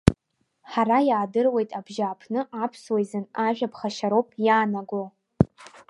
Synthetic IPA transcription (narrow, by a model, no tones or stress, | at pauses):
ħaɾajaːdɨrwe̞jtʼabʒaːpʰnɨʔapʰswejzɨnaʒᶣapʰχaʃaɾowpʼjaːnaɡʷo